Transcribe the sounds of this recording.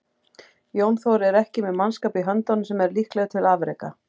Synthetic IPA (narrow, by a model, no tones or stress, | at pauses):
jownθɔwɾɛɾɛhcɪmɛðmanskaːpiɦœnt̪ɔnsɛmɛɾlihklɛɣt̪ʰɪlaːvɾejka̰